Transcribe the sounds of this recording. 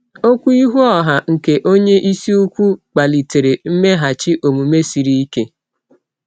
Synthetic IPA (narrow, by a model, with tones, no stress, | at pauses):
o˦kʷu˦i˦ɦu˦ɔ˦˨ɦa˨ŋ̩˨ke˨ʔo˦ɲe˦ʔi˦si˦u˦kʷu˦k͡pa˨li˨te˨ɾe˨m̩˦me˦ɦa˨t͡ʃi˦ʔo˨mu˨me˦si˨ɾi˦i˦ke˦